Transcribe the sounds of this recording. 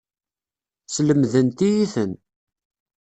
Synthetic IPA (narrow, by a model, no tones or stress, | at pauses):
sləmðənt̪ijiθən